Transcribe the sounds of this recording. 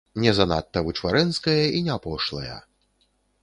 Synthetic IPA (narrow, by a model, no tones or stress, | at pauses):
nʲɛzɐna̰t̪ːɐvɨt͡ʂvaɾɛnskɐjɐinʲɛapɔʂlˠɐ̰jɐ̰